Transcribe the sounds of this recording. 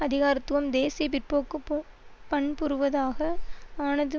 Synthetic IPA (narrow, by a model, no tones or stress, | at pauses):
ɐðɪɣaːɾɪt̪ːɯʋɐmd̪eːsijʋɪrpoːkːɯpː | pɐɳpʊɾɯʋɐðaːɣɐaːnɐðɯ